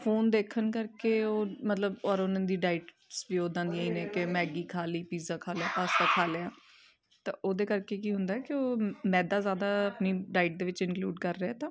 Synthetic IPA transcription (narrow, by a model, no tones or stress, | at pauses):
pʰoːnd̪eːkʰənkəɾkeːoːmət̪ləbɔɾonə̃ːd̪iːɖaːɪːʈ | sbiːoːd̪ãːnd̪iːaːiːnɛːkɪmɛːɡiːkʰaːliːpiːzaːkʰaːlaːpaːst̪aːkʰaːlejaː | t̪ã̰ːʔoːd̪eːkəɾkeːkiːɦʊ̃nd̪aːɛːkɪoːmɛ̃ːd̪aːzjaːd̪aːəpniːɖaːɪʈ̚d̪eːʋɪt͡ʃɪnkluːɖkəɾːeːɛːt̪ãː